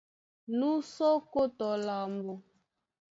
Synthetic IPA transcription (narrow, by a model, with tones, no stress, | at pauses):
nu˦sɔ˦ko˦tɔ˨la˨mbo˨